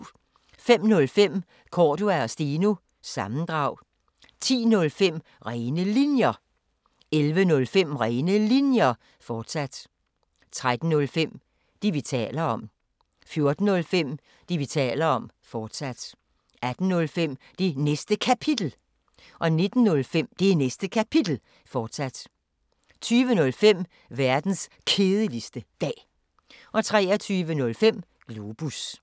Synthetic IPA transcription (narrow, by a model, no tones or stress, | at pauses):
fem̰nɔ̽lfem̰ | kʰɒːd̥uæɒ̽sd̥inu | sɑ̈mn̩d̥ʁɑ̈ʊ̰ | t͡sʰḭːnɔ̽lfem̰ | ʁɛɪnəlinjɐ | elʋənɔ̽lfem̰ʁɛːnəlinjɐ | fɒːd̥sæd̥ | t͡sʰʁad̥n̩ːɔ̽lfem̰ | d̥iʋit͡sʰɛ̰ːlɐɒ̽m̰ | fjo̝ɐd̥n̩ːɔ̽lfem̰ | d̥iʋit͡sʰɛ̰ːlɐɒ̽m | fɒːd̥sæd̥ | æd̥n̩nɔ̽lfem̰ | d̥enesd̥əkʰæpʰid̥l̩ | ʔɒ̽ne̝d̥n̩ːɔ̽lfem̰d̥e̝nesd̥əkʰæpʰid̥l̩ | fɒːd̥sæd̥ | t͡sʰyːʋənɔ̽lfem̰ | ʋæɐd̥n̩s | kʰe̝ːðˠəlisd̥əd̥ɛ̰ː | ʔɒ̽t͡sʰʁɛːɐt͡sʰyːʋənɔ̽lfem̰ | ɡ̥luːb̥us